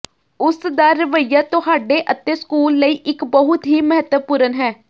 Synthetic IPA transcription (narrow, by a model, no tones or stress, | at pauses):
ʊsd̪aːɾəʋəjaːt̪ʊhaːɖeːʔət̪ːeːskuːlːəiːʔɪkbəɦʊt̪ɦiːməɦət̪əpʊɾənɦɛː